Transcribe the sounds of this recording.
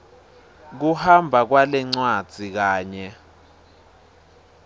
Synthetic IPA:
k̬uhambʱak̬walɛŋ͡ǀwad̥z̥ʱik̬aːɲɛ

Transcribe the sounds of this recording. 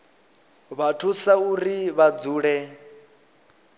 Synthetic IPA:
βatʰusauɾiβad͡zuːɺɛ

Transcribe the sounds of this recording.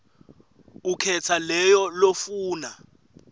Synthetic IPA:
ukʰɛtʰalɛjɔlofuːna

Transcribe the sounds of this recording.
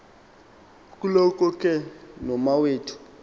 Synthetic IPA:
kʼulɔkʼɔkʼɛnɔmaweːtʰu̥

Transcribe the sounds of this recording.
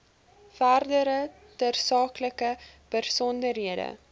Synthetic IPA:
færdəɾə | tərsɑːkləkəpərsɔndərɦiədə̰

